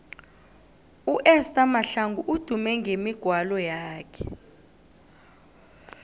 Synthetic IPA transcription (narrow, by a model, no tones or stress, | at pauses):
uʔɛstʼamaɬaŋɡuʔud̥ʱumɛŋɡʱemiɡ̥ʱwalɔjaːkʰɛ̥